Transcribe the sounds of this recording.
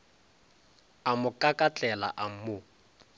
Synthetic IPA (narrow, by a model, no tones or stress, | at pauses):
amʊkʼakʼat͡ɬʼɛla̰ʔam̩mʊ